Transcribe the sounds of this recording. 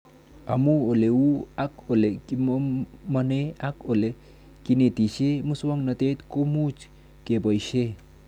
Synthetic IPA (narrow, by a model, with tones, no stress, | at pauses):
a˨muo˨le˨wu˦ako˨le˨immane˦ako˨le˨ | kine˨t̪i˨ʃe˦mu˦swa˦ŋna˨t̪e˦t̪ko˦mu˦t͡ʃ | ke˨bɔ˨jʃe˦